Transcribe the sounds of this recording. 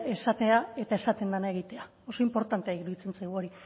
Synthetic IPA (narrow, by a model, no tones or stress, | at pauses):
e̞sat̪e̞ae̞t̪ae̞sat̪e̞nd̪anae̞ɣ̞it̪e̞a | o̞so̞impo̞ɾt̪ant̪eaiɣɾuðit͡se̞nt͡sajɣ̞uo̞ɾi